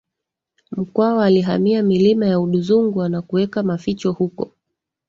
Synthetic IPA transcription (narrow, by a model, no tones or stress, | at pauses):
m̩kwaɔaliɦamiamilimajauɗuzuŋɡwanakuwɛkamafit͡ʃɔhukɔ̰